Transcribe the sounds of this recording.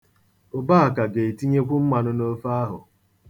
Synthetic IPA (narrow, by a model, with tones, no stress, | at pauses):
ʊ˨ba˦a˨ka˨ɡe˨e˨ti˦ɲe˦kʷu˦m̩˦ma˨nʊ˦no˦fa˦ɦʊ˨